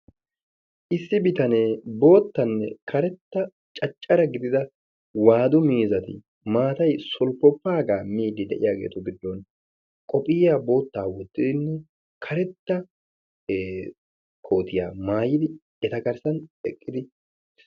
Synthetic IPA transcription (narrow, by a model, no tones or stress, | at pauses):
ʔɪsːɪbɪt̪ɐneːbo̞ːt̪ːɐnːɛ̰kʰɐɾɛt̪ːɐ | t͡ʃʼɐt͡ʃʼːɐɾɐɡɪd̪ɪd̪ɐ | waːd̪ʊmiːzɐt̪ɪ̰ | maːt̪ɐjsɔlpːɔpːaːɡaːmiːd̪ɪd̪ɛʔɪ̰jaːɡe̞̰ːt̪ʊɡɪd̪ːɔn | kʼɔpʼɪːabo̞ːt̪ːaːwɔd̪ːɪd̪ɪnːɛ | kʰɐɾɛt̪ːɐː | kʰo̞ːt̪ɪja̰ːmaːjɪd̪ɪ | ɛt̪ɐkɐɾsɐnɛkʼːɪd̪ɪ